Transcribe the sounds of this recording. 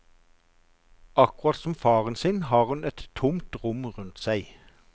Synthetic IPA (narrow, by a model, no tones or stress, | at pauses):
ɑkʊʁɑːt̪sɔmfɑːʁənsɪnhɑːʁhʉnɛt̪ʰːʊmt̪ʁʊmʁʉnt̪sæɪ